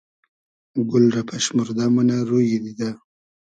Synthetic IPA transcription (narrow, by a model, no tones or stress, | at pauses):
ɡʊlɾapʰaʃmuɾd̪amunaɾujid̪id̪a